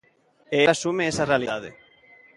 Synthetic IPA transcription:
easumeesɐrealiðaðɪ̰

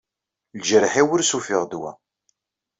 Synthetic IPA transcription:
lʒəɾħiwʊɾsufɪʁd̪wæ̰

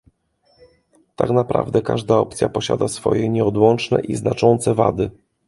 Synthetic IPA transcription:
t̪aknapɾa̰vd̪ɛkaʐd̪aɔp̚t̪sʲjapɔɕad̪asfɔ̰jɛɲɛɔd̪wɔnt͡ʂnɛ̰ʔiznat͡ʂɔnt̪sɛva̰d̪ɘ

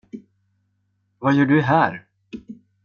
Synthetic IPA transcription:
vajœːɖɵɦæːɾ

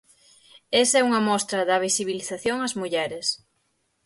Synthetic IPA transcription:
esɛuŋɐmɔst̪ɾɐðɐβisiβiliθaθjoŋɐzmuʎɛɾes

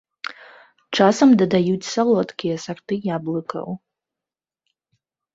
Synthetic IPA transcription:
ʈ͡ʂʰasɐmdadajutʲsalˠotkʲʰijɐsartɨjablˠɨkʰɐ̰w

